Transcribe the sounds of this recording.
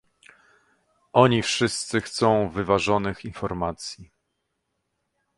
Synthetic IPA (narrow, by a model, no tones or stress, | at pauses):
ʔɔɲifʂɘst̪sɘxt̪sɔ̃w̃vɘvaʐɔnɘxinfɔɾmat̪sʲji